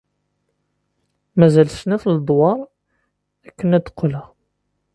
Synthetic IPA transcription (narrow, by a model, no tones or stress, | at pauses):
mæzælsnæθləd̪ˤwɑɾˤ | ækːənæd̪ə̥qːlæ